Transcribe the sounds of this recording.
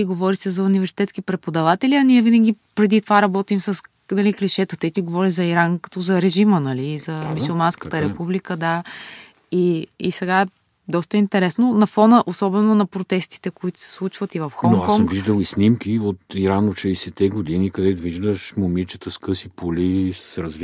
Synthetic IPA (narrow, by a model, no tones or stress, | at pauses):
iɡovɔɾisɛzɐunivɛɾsi̥t̪ɛt̪skipɾɛpod̪ɐvat̪ɛliɐniɛvinəɡ̟ʲipɾɛd̪it̪ovaɾɐbɔt̪imsəs | nɐlikliʃɛt̪ət̪ɛit̪iɡovɔɾizɐiɾankɐ̥t̪ɔzɐɾɛʒimənɐliːzɐmusulˠmanskət̪əɾɛpublikəd̪a | iisɛɡaɛ | d̪ɔst̪əint̪ɛɾɛsnonɐfɔnəʔosɔbɛnonɐpɾot̪ɛst̪i̥t̪ɛkoit̪ʊ̥sɛ̥slˠut͡ʃvət̪ivɐfxɔokakɔŋkmviʒd̪əlˠisnimkiot̪iɾanot̪ʃɛisɛt̪ɛɡod̪inikɐd̪ɛt̪ʊviʒd̪əʃmomit͡ʃə̥t̪əskɤsipolissɾɐzv